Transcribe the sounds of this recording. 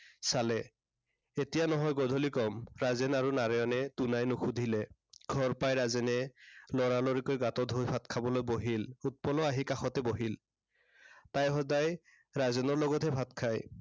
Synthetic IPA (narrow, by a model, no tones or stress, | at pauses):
salɛ | etijanɔɦɔjɡɔdʱɔlikɔmɹazɛnaɹunaɹɛɔnɛtunajnuxʰudʱilɛɡ̥ʱɔɹpajɹazɛnɛlɔɹalɔɹikojɡatɔdʱojbʰʱatkʰabɔlojboɦilut̚pɔlɔaɦikaxɔtɛboɦil | tajxɔdaj | ɹazɛnɔɹlɔɡɔtʰɛbʰʱatkʰaj